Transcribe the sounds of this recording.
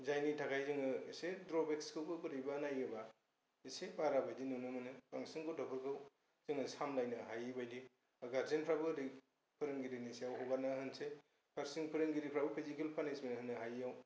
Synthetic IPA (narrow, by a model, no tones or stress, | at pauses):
zajnitʰakʰajzɯŋɯisedɾɔbekskʰɯkɯkɯdɯjbanajɯba | isepaɾabajdinunɯmɯnɯpaŋsiŋkotʰɔpʰɯkʰɯw | zɯŋɯsamlajnɯɦajibajdi | ɡaɾzenpʰɾabɯɾɯ | pʰɯɾɯŋɡiɾinisejawɦowɡanaɦɯnse | kʰaɾsiŋpʰɯɾɯŋɡiɾipʰɾabɯpʰizikelpʰanesmenɦɯnːɯɦajaw